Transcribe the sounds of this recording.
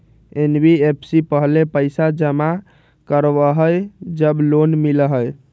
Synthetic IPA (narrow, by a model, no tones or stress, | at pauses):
enbʱiepʰsipəɦlepəɪsad͡ʒəma | kəɾʋəɦəjd͡ʒəblonmiləɦəj